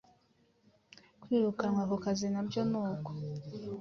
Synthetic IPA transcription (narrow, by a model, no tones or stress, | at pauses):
kwiːɾukanwakokazinabjonuːko